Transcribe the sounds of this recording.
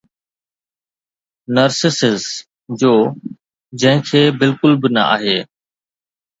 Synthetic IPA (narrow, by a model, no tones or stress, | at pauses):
nəɾsɪsɪz | d͡ʑoː | d͡ʑɐ̃ɦɪ̃kʰeːbɪlkʊlbɪnə̰a̰ːɦeː